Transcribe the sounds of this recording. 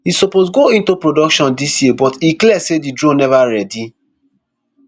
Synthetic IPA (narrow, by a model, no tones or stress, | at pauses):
hisɔposɡoĩntupɹodɔkʃɔ̃ndisjibɔtiklɛsedidɹõnɛvaɹɛdi